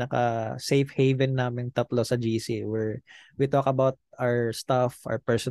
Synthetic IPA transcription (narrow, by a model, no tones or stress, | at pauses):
ɐkɐ̰sejfhɛjvɛnːaːmɪnt̪ɐt̪losɐd͡ʒiːsiwɛɹwit̪okɐbawt̪̚aɹst̪afɔ̰ɹpɛɹsɔ